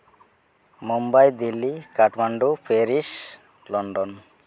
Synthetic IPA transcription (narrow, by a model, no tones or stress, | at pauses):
mumbajd̪ilːikaʈmaɳɖupʰeɾis | lɔɳɖɔn